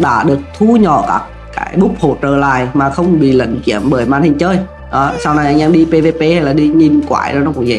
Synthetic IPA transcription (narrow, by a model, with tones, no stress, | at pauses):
ɗa̰ː˧˥ɗɨ˨˩ək̚t̪ʰu˧ɲɔ̰˧˩ka̰ː˦˥kːa̰ː˨˦jɓʊ˦˥k͡p̚ho˧˩t͡ɕəː˨˩la̰ː˧˨jmaː˨˩xə˧wŋ͡mɓḭ˧˨lə̰˧˨ŋkḭ˧˩əmɓəː˧˩jmaː˧nthi˧ŋt͡ɕəː˧j | ɗɔ˨˦sa˧wna˨˩jʔa˧jŋʔɛ˧mɗi˧pe˧ve˧pe˧ha˧jlaː˨˩ɗi˧ɲi˧nkwaː˧˩jɗɔ˨˦nɔ˨˦kʊ̰˧˩ŋ͡mzɛ̰˧˩